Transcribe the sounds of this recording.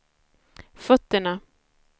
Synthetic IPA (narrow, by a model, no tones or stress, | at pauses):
fœt̪ːəɳa